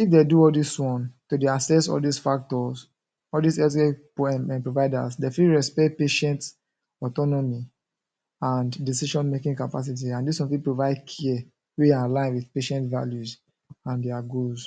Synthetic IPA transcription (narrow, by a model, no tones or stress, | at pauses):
ifdeduɔldiswɔ̃ntodeasɛsɔ̰ldisfak̚tɔz | ɔldisɛtkẽ | pɹovaɪda̰sdefiɹɛspɛt̚peʃɛ̃nt | ɔtɔnɔmi | ãndisiʃɔ̃nmekĩŋkapas̬it̬iãndiswɔ̃nfipɹovaɪdkʰiɛ | weãalãɪ̃nwiðpeʃɛ̃ntva̰ljuz | ãndɛaɡoz